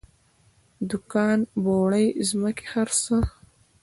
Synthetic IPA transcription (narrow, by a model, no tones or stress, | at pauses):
d̪ʊkɑːnboːɽajzməke̥haɾsə